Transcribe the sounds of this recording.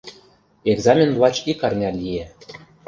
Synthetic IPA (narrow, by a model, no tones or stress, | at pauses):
eɡzɑmʲenvlɑt͡ɕikɑrnʲɑlʲije